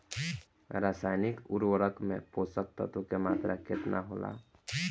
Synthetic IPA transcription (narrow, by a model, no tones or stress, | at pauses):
ɾasajnikuɾwəɾəkmẽposək̚t̪ə̰t̪ukemat̪ɾakʰet̪na̰ɦola̰